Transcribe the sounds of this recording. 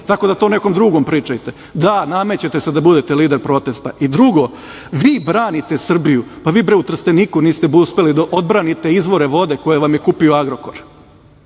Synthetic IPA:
t̪ako̞d̪at̪o̞ːneko̞md̪ɾuɡo̞mpɾiːt͡ʃajt̪e̞ | d̪anamet͡ɕet̪esed̪abud̪et̪e̞liːd̪e̞ɾpɾo̞t̪e̞st̪a̰ʔid̪ɾuɡo̞ | ʋiːbɾaːnit̪e̞sr̩bijupaʋiːbɾeut̪r̩st̪eniːkuniːst̪e̞buuspe̞lid̪aʔo̞d̪bɾaːnit̪e̞izʋo̞ɾeʋo̞d̪e̞ko̞je̞ʋamje̞kupioaɡɾo̞ko̞ɾ

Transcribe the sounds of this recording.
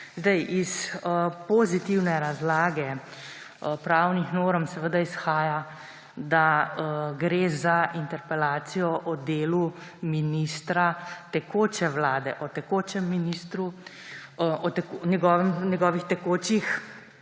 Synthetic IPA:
zd̪ɛjʔispɔzit̪iwnɛɾazlaːɡɛ | pɾawnixnoːɾɔmsɛʋəd̪aisxaːja | d̪a | ɡɾeːzaʔint̪ɛɾpɛlaːt̪sijɔʔɔd̪eːluminist̪ɾat̪ɛkoːt͡ʃɛwlaːd̪ɛʔɔt̪ɛkoːt͡ʃɛmːinist̪ɾu | ɔt̪ɛknɛɡɔːʋɛmnɛɡɔːʋixt̪ɛkoːt͡ʃix

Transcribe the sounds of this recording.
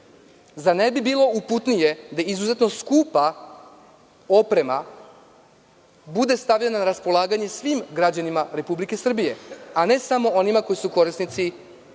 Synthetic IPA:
zane̞bibiːlˠo̞uput̪nije̞d̪aizuzet̪no̞skuːpa | o̞pɾe̞ma | bud̪e̞st̪avʎenanaɾaspo̞lˠaːɡaɲe̞sʋiːmɡɾad͡ʑanimaɾe̞publike̞sr̩bije̞ane̞samo̞o̞nimako̞jisuko̞ɾisnit̪si

